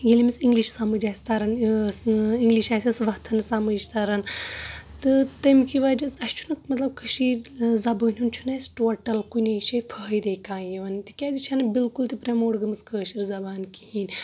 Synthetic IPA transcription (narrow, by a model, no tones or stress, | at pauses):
ɡʲelimisiŋɡliʃsamud͡ʒaːsʲt̪ɐɾɐn | iŋɡliʃaːsʲɐsʋɐt̪ʰɐnɨsamɐd͡ʒt̪aɾɐn | t̪ɨt̪ɐmkiʋaːd͡ʒɐsɐʃt͡ʃʰu̥nɨmɐt̪lɐb̚kʰɐʃiɾzɐbəːnʲunt͡ʃʰunɐsʈoːʈɐlkunʲɐʃɐjfʰəːjd̪eːkãːjiʋɐnt̪ʲi̥kʲaːzʲit͡ʃʰɐnɨbilkult̪ipɾemoːɽɡɐmɨskəːʃiɾzɐbaːnkihiːnʲ